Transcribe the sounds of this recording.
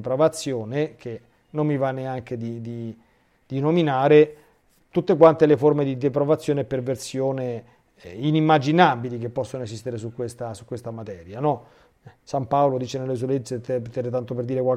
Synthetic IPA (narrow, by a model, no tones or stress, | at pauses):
pɾovat̪sːjoːnek̟e | nommivaneaŋk̟ed̪id̪i | d̪̥inominaːɾe | t̪ut̪ːekwant̪eleformed̪id̪epɾovat̪sːjoːneperversjoːne | inimːad͡ʒinabilik̟epːɔsːonoezist̪eɾes̬ukːwest̪asukːwest̪amat̪ɛːɾjanɔ | sampaolod̪iːt͡ʃenelːes̬ueleet̪ɛpt̪ːɛɾet̪ant̪operd̪iːɾekwal